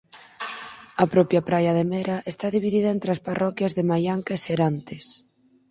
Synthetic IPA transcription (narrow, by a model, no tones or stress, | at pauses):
ɐpɾɔpjapɾajɐðemeɾaʔest̪aðiβiðiðɐent̪ɾeasparɔkjɐzðemajaŋkaeseɾant̪es